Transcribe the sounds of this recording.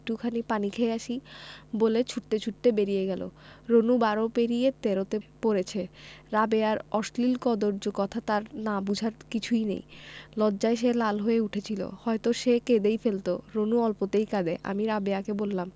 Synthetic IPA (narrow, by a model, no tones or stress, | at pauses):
ʈukʰanipanikʰeeaʃibolet͡ɕʰuʈt̪et͡ɕʰuʈ̚t̪ebeɾijeɡɛlo̰ɾonubaɾopeɾijet̪eɾot̪epoɾet͡ɕʰeɾabeaɾɔʃlilkɔd̪oɾd͡ʑokɔt̪ʰat̪aɾnabud͡ʑʱaɾkit͡ɕʰujnḛjlɔdːd͡ʑaeʃ̬elalɦoeuʈʰet͡ɕʰilo̰hɔet̪oʃeked̪ejfelt̪oɾonuɔlpot̪ejkad̪eʔa̰miɾabeakebolːam